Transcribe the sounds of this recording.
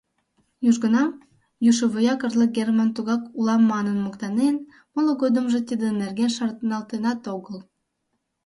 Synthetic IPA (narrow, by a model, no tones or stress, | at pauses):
juʒɣənɑm | juʃə̆βojɑkərləɡermɑnt̪uɣɑkulɑmːɑnənmokt̪ɑnen | mələɣod̪əmʒe̽t̪id̪enerɣenʃɑrt̪ənɑlt̪enɑt̪oɣəl